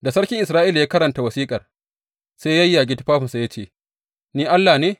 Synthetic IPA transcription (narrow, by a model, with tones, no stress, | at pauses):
da˨sɐ˦ɽkʲɪ˦ŋʔɪ˨sɾaː˦ʔiː˦ljaː˦kɐ˦ɾɐ˨nta˨wɐ˨siː˦kʼɐ˨r | seː˦jjɐ˦jːaː˨ɡʲɪ˦tɪ˦ɸaː˦ɸɪ˨nsa˨ja˦t͡ʃeː˦˨ | niː˦ʔa˦lːaː˨neː˦